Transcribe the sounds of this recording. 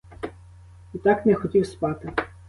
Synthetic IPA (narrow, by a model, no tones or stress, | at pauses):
it̪ɑknɛxɔtʲiwspɑt̪ɪ